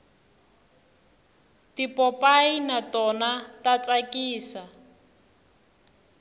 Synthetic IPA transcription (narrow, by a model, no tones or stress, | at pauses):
tipɔpainatɔnatat͡sʼakʼiːsa